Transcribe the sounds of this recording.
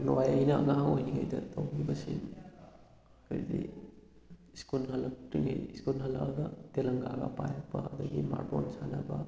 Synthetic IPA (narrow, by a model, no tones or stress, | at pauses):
nuwajɐjnɐɐŋaɦŋojniɡajdɐtʰɐwɡibɐsin | kʰaɾdi | skulɦɐlɐk̚tiŋɐjiskulɦɐlaɡɐtelɐŋɡaɡɐ̰pajɐk̚pʰɐɐdɐɡima̰ɾtonsanɐbɐ